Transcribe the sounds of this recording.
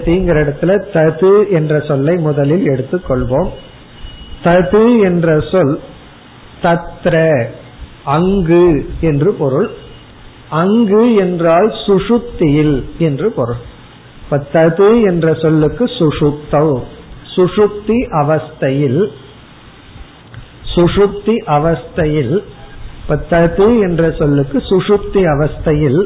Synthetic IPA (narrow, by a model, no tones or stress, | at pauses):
t̪iːŋɡɐɾɪɽɐt̪ːɪlɐt̪ɐðɯɛndrɐsɔlːɐɪmʊðɐlɪlɛɽɯt̪ːɯkːɔɭʋoːm | t̪ɐðɯɛndrɐsɔl | t̪ɐt̪ːɾɐ | ɐŋɡɯɛndrɯpɔɾɯɭ | ɐŋɡɯɛndraːlsʊʂʊk̚t̪ːɪjɪlɛndrɯpɔɾɯɭ | pːɐt̪ɐðɯɛndrɐsɔlːɯkːɯsʊʂʊk̚t̪ːɐʊsʊʂʊk̚t̪ːiʔɐʋɐst̪ɐjɪl | sʊʂʊk̚t̪iʔɐʋɐst̪ɐjɪl | pːɐt̪ɐðɯɛndrɐsɔlːɯkːɯsʊʂʊk̚t̪iɐʋɐst̪ɐjɪl